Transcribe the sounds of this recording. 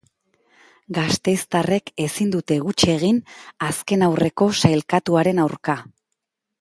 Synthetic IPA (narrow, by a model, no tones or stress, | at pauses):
ɡast̪e̞jst̪are̞ke̞sind̪ut̪e̞ɣut͡ʃie̞ɣ̞inaske̞nawre̞ko̞sajlkat̪uaɾe̞nawɾka